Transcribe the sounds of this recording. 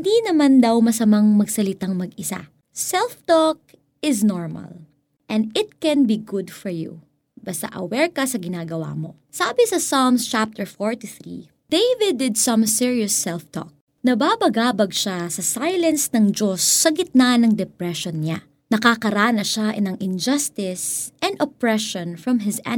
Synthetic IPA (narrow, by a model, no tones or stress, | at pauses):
nd̪inɐmand̪ɐwmɐsɐmaŋmɐɡsɐlɪt̪aŋmɐɡɪsa̰ | sɛlft̪ɔk̚ | ɪsnɔɹmɐ̰l | ʔɛ̃nd̪ɪt̪̚kɛnbiɡʊd̪fɔɹjṵ | bɐst̪a̰ʔɐ̰wɛɹkɐsɐɡɪnaːɡɐwa̰mo̞ | saːbɪsɐsamst͡ʃap̚t̪ɛɹfoɹt̪uθɹḭ | d̪̥ejvɪd̪ɪd̪̚sɐ̃msɪɹiosːɛlft̪ɔ̰k̚ | nɐbaːbɐɡaːbɐɡ̚ʃasɐsajlɐnsnɐŋd͡ʒosːɐɡɪt̪̚nanɐŋd̪ɛpɹɛʃonɲa | nɐkakɐɾaːnɐʃaʔɛnɐŋʔɪnd͡ʒɐst̪ɪsʔɛ̃nd̪opɹɛʃɔnfɹɐmɦɪzɛ̰